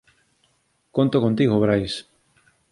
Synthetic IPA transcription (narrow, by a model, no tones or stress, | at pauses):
kont̪okont̪iɣoβɾajs